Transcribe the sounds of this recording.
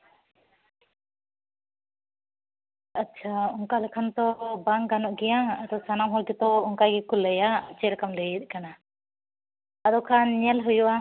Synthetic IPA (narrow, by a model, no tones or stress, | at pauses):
atːt͡ʃʰauŋkalɛkʰant̪ɔbaŋɡanɔʔɡɛjaad̪ɔsanamɦɔlkɛt̪ɔɔŋkajɡɛkulːɛjat͡ʃɛɾɛkamlɛjit̪̚ˀkana | ad̪ɔkʰanɲɛlɦujuʔa